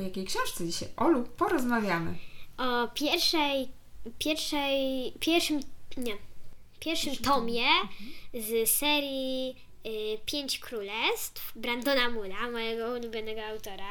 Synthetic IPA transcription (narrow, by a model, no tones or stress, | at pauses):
ɔjakʲejkʂɛ̃w̃ʂt̪sɛd͡ʑiɕajʔɔluppːɔɾɔzmavʲjamɘ̰ʔɔpʲjɛɾʂɛj | pʲjɛɾfʂɛjpʲjɛɾfʂɘmɲɛ | pʲjɛɾfʂɨmt̪ɔmʲjɛ | zsɛɾʲji | pʲjeɲt͡ɕkɾulɛst̪fbɾand̪ɔnamulamɔjɛɡɔulubʲjɔnɛɡɔawt̪ɔɾa